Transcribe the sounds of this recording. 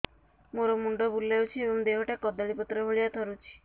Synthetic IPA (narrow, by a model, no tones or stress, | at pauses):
moɾɔmuɳɖɔbulːewt͡ʃʰiebɔŋd̪eɦɔʈakɔd̪ɔɽipɔt̪ːɾɔɦoɭijat̪ʰɔɾut͡ʃʰi̥